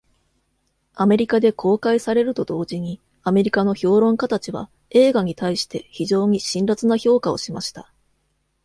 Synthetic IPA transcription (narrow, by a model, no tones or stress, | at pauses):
ame̞ɾʲikad̪e̞kʰo̞ːkaisaɾe̞ɾɯ̟t̪o̞d̪o̞ːʑiɲ̟i | ame̞ɾʲikano̞ço̞ːɾõ̞ŋkat̪at͡ɕiβa̰ | e̞ːɡaɲ̟it̪aiɕi̥t̪e̞çiʑo̞ːɲ̟iɕĩnɾat͡sɨnaço̞ːkao̞̰ɕimaɕi̥t̪a